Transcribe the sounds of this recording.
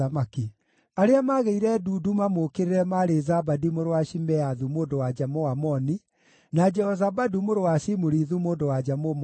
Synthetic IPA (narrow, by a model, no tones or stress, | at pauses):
amaki | aɾeamaɣeiɾɛduːdumamokeɾeɾɛmaɾezabadimoɾowaʃimɛaðumoːndowad͡ʒamoamɔni | nad͡ʒɛhɔzabadumoɾowaʃimoɾiðumoːndowad͡ʒamom